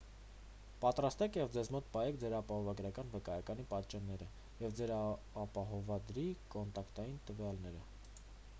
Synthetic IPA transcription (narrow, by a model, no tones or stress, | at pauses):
pɑt̪ɾɑst̪ɛkʰjɛvd͡zɛzmɔt̪̚pɑjɛkʰd͡zɛɾɑpɑhɔvɑɡɾɑkɑnvəkɑjɑkɑnipɑt̪t͡ʃɑnːɛɾə | jɛvd͡zɛɾ | ɑpɑɦɔvɑd̪ɾikɔnt̪ɑkt̪ɑjint̪əvjɑlnɛɾə